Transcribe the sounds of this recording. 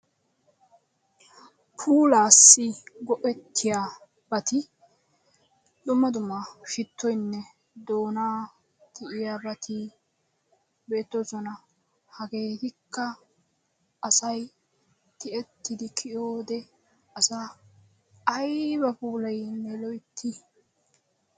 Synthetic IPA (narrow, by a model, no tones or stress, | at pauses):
pʰuːlaːsːɪɡɔʔɛt̪ʰːɪjaː | bɐt̪ɪ | d̪ʊmːɐd̪ʊmːɐʃɪt̪ʰːɔjnːɛ | d̪o̞ːnaː | t̪ʰɪʔɪjabɐt̪ʰɪ | be̞ːt̪ːozɔnɐ | hɐɡe̞ːt̪ɪkːɐ | ʔɐsɐj | t̪ɪʔɛt̪ːɪd̪ɪkʰɪjoːd̪ɛ | ɐsa | ɐjbɐpuːlɐjnɛlɔjt̪ʰːɪ